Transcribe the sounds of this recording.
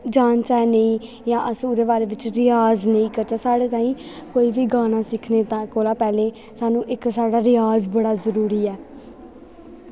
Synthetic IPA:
d͡ʒaːnt͡ʃaːnəĩː | jãːʔəsuːɾeːʋaːɾeːʋɪt͡ʃɾɪjaːznəĩːkəɾt͡ʃaːsaːɽeːt̪ãːĩːkoːiːʋiːɡaːñãːsɪkʰneːt̪ãːkoːlãːpɛːleː | saːnũːʔɪksaːɽaːɾɪjaːzbəɽaːzəɾuːɾiːɛː

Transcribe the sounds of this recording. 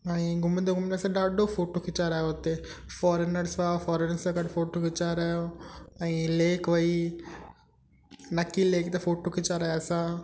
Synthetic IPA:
aĩɡʊmɪnd̪oɡʊmnɐɾsãɖaːɖoːfoːʈːoːkɪt͡ʃaːɾaːjoot̪ːe | fɔːɾenɐɾsʋaːfɔːɾenɐɾsʋakɐɖfoːʈokɪt͡ʃaːɾaːjoɐĩleːkʋɐi | nɐkːileːkt̪efoːʈokɪt͡ʃaːɾaːjasã

